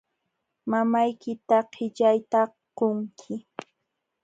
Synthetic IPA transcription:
mamajkɪt̪aqʰɪʎajt̪a | qoŋkʰɪ

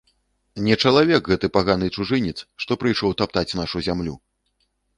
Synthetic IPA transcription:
nʲɛt͡ʂɐlˠavʲɛkɣɛt̪ɨpaɣanɨt͡ʂuʐɨnʲɛt̪sʂt̪ɔpɾɨjʂɔwt̪ap̚t̪at͡sʲnaʂuzʲamlʲu

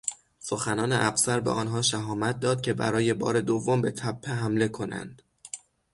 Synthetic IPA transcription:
so̞xænɒːneʔæfsæɾbeʔɒːnɦɒːʃæɦɒːmæt̪̚d̪ɒːd̪̥̚cʲʰe̞bæ̰ɾɒːje̞bɒ̰ːɾe̞d̪ovːombe̞t̪ʰæpʰːeɦæmle̞kʰo̞næ̰nd̪̥

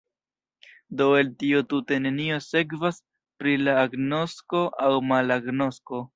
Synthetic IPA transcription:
do̞e̞ltiotute̞ne̞nio̞se̞kvas | pɾilaːɡno̞sko̞ʔawmalaɡno̞sko̞

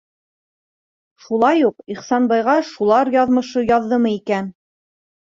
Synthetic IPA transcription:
ʃulˠɑjuqiχsɑnbɑjʁɑʃulˠɑɾjɑðmɤ̆ʃɤjɑðːɤmɤikæn

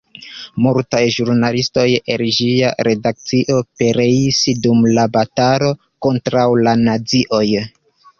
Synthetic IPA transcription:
multajʒuɾnalisto̞jḛld͡ʒiaɾe̞dak̚t͡siʔo̞pe̞ɾe̞isdumlabataɾo̞ | ko̞ntɾawlanaziʔo̞j

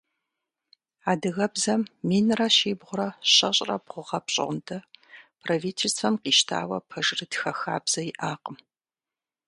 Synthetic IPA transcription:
aːdɨɣɐbzɐmːiːnrɐʃiːbʁʷʊɾɐɕɐɕʼrɐbʁʷʊʁɐpɕʼɪ̰ʁndʰɐpʰrɐviːtʰelstfɐmqiːʃtʰa̰ːwɐpʰɐʒrɨtxɐxa̰ːbz̥ɐjɪʔaːqʼəm

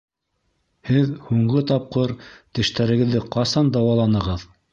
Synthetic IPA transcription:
hɘðhuɴʁɤt̪ɑp̚qɤɾt̪ɘ̆ʃt̪æɾɘ̆ɡɘ̆ðːɘqɑsɑnd̪ɑwɑlˠɑnɤ̆ʁɤð

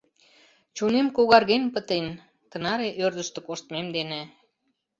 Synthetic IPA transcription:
t͡ɕunemkoɣɑrɣenpət̪en | t̪ə̆nɑɾeʔørd̪ə̆ʃt̪ə̆koʃt̪memd̪enĕ

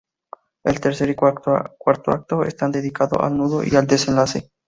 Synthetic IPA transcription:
elt̪e̞ɾse̞ɾikwaɾt̪oak̚t̪oḛst̪and̪eðikaðo̞̰ʔa̰lnuðo̰ʔiald̪e̞se̞nlase̞

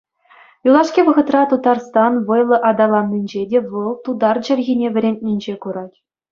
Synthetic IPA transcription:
julˠɑʂkʲiʋɤ̆ʁɤ̆t̪rɑt̪ut̪ɑrst̪ɑnʋɤ̆jlˠɤ̆ʔɑd̪ɑlˠɑnʲːinʲd͡ʑedʲeʋɤlˠt̪ud̪ɑrd͡ʑɘ̆rʲɣʲinʲeʋʲɘ̆ɾʲenʲt̪̚ʲnʲinʲd͡ʑekuɾɑtʲ

